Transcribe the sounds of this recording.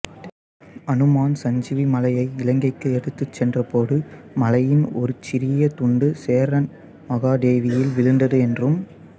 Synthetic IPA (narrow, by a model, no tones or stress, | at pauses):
ɐnɯmaːnsɐɲd͡ʒɪʋimɐlɐjɐɪɪlɐŋɡɐɪkːɯɛɽɯt̪ːɯt͡ʃːɛndrɐpoːɽɯ | mɐlɐjɪnɔ̰ɾɯt͡ʃɪɾɪjɐt̪ʊɳɖɯseːɾɐn | mɐɣaːd̪eːʋɪjɪlʋɪɻɯnd̪ɐðɯɛndrɯm